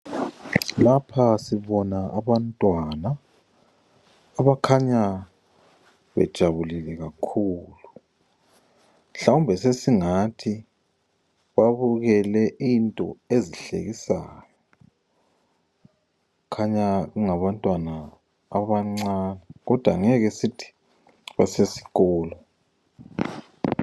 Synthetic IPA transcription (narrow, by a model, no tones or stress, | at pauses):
lapʰasiβɔnaaβantʼwana | βakʰaɲa | βɛ̰d̥ʒ̥ʱaβulilɛɣakʰuːlu | ɬaumbʱɛsesiŋatʰi | βaβuɣɛlɛʔintʼɔ̰eziɬḛɣisaːjɔ | ukʰaɲaɣuŋaβantʼwana̰ː | βaŋ͡ǀanaɣɔd̥ʱwa̰ŋɛɣɛsitʰi̥ | βa̰sesi̥ɣɔːlɔ